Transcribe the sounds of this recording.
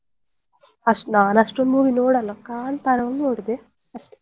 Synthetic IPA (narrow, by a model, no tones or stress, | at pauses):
ɐʂnaːnɐʂʈomːuːʋinoːɽɐlɐkaːnt̪ɐɾɐʋɐmnoːɽid̪e | ɐʂʈe̥